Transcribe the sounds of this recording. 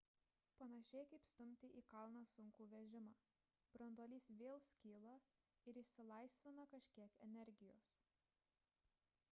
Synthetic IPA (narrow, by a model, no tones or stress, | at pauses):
pɐnɐʃʲɛɪkɐɪpst̪ʊmʲt̪ʲɪʔiːkɐlˠnɐsʊŋkuːʋʲɛʒʲɪmɑː | b̥ɾɐnd̪uɔːlʲiːsʋʲeːlˠsʲkʲiːlˠɐ | ɪɾɪʃʲsʲɪlˠɐɪsʲʋʲɪnɐkɐʃʲkʲiɛkɛnʲɛɾʲɡʲɪjo̰ːs